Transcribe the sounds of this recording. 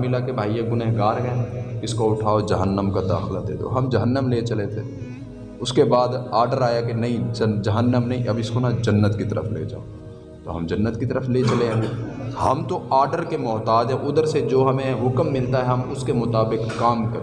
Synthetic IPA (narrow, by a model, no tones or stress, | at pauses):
mɪlakebʱaːieɡʊneɦɡaːɾɦɡɐ̃ɪskoʊʈʰaːod͡ʒɐɦənːəmkad̪a̰ːxlad̪ḛːd̪o̰ɦɐmd͡ʒɐɦənːəmlet͡ʃɐlet̪ʰe | ʊskebaːd̪aːɾɖəɾaːjakenɐɦĩd͡ʒɐd͡ʒɐɦənːəmnɐɦĩʔɐbɪskonad͡ʒɐnːət̪kit̪ɐɾə̰fʰlḛːd͡ʒa̰ːo | t̪oɦɐ̰md͡ʒɐnːət̪kit̪əɾəflet͡ʃɐleɦhɐmt̪oaːɾɖəɾkemɔːt̪aːd͡ʒɦɛʔʊd̪əɾsed͡ʒoːɦɐmẽɦʊkmːɪlt̪aɦɛɦɐmʊskemʊt̪aːbɪkːaːmkɐɾ